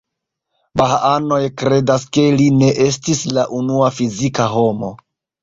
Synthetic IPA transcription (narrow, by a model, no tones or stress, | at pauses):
bahaano̞jkɾe̞daske̞line̞ʔe̞stislaʔunuafizikaɦo̞mo̞̰